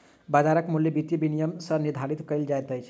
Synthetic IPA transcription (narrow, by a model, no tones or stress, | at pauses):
bad͡ʒaɾəkmuljebit̪ibinijəmsə̃niɾd̪ʱaɾit̪kəɪld͡ʒajt̪əjt͡ʃʰ